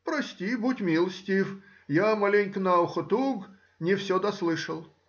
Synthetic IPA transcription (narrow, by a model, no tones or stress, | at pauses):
pɾɐsʲtʲibutʲmʲilˠsʲtʲif | jamalʲenʲknaʊxʊt̪uɡ | nʲɪfsʲod̪ɐslˠɨʂəlˠ